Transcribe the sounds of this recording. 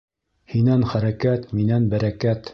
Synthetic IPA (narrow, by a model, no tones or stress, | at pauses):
hinænχæɾækæt̪minænbæɾækæt̪